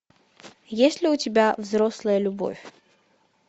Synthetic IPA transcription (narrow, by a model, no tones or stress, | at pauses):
jesʲlʲɪʊtʲɪbʲavzɾoslˠəjəlʲʊbo̰fʲ